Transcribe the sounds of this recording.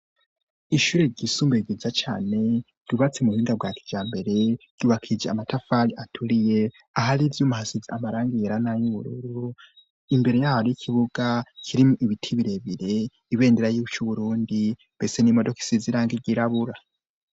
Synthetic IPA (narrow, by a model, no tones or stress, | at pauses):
iʃuɾeɾɟisuːmbeɡizat͡ʃa̰ːne̞ | d̥uβat͡semuhiːŋɡab̚ɡaːkʰi̥d͡ʒaːmbe̞ɾe̞ɾ̥ɟuβakʰid͡ʒeamatafaɾiʔatʰuɾije̞ | ahaɾivjumuhasiziamaɾaːŋɡijeɾanajuβuɾuɾu | imbe̞ɾe̞jaːhaɾojikʰiβuɡakʰiɾimuʔiβitʰiβiɾe̞βiɾe̞ | iβe̞ːndeɾajuβut͡ʃuβuɾuːndimbe̞se̞nimo̞do̞ki̥siziɾaːŋɡiɡiɾaβuɾa